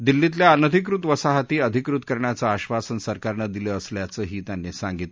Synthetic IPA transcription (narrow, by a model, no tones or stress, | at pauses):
d̪ilːit̪̬ljaənəd̪ʱikɾut̪ʋəsaɦat̪iːəd̪ʱikɾut̪kəɾɳjat͡səːɕʋasənsəɾkaɾnəd̪iləəsljat͡səːɦiːt̪janːisãŋɡit̪l